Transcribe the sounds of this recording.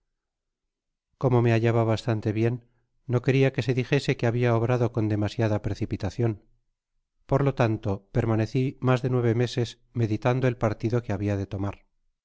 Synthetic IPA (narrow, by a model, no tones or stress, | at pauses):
ko̞mo̞me̞aʎaβaβast̪ant̪e̞βje̞nː | o̞ke̞ɾiake̞se̞ðixe̞se̞keaβiaoβɾaðo̞ko̞nd̪e̞masjaðapɾe̞θipit̪aθjo̞n | po̞ɾlo̞t̪ant̪o̞pe̞ɾmane̞θimazðe̞nwe̞β̞e̞me̞se̞s | me̞ðit̪and̪o̞e̞lpaɾt̪iðo̞ke̞aβiað̞e̞t̪o̞maɾ